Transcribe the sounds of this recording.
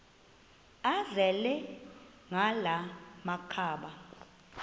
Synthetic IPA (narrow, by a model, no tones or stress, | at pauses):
azɛlɛ | ŋalamakʰaːɓa